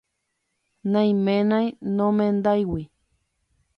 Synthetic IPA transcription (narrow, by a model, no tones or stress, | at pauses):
najmenajnomend̪ajwi